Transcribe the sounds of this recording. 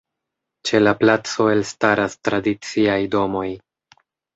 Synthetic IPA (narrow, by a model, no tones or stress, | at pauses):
t͡ʃe̞laplat͡so̞e̞lstaɾastɾadit͡siajdo̞mo̞j